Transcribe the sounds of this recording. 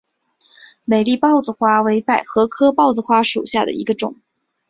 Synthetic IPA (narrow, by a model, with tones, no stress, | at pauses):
me˨˩ɪli˥˧pɑ˥˩ʊd͡zɹ̩˨˩xwa˥we˧˥ɪpa˥˩ɪxɤ˧˥kʰɤ˥pɑ˥˩ʊd͡zɹ̩˩xwa˥ʂṵ˨˩ɕja˥˩d̪ə̰˩ḭ˧˥ɡə˧ʈ͡ʂʊ̰˨˩˦ŋ